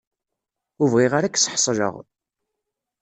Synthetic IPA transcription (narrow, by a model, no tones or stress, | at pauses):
uvʁiʁaɾækːsħsˤʒə̰ʁ